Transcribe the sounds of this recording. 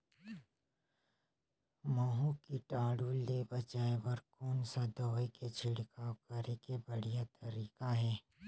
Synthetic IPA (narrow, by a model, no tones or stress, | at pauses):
maɦũkiʈaːɽuːlːeːbɐt͡ʃaːebɐɾkoːnsad̪ɔːeket͡ʃʰɪɽkaːwkɐɾekebɐɽ̤ijat̪ɐɾiːkaɦɛː